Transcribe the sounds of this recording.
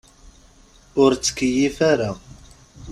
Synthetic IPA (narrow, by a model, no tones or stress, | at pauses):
ʊɾt͡sːə̥kːəjifaɾa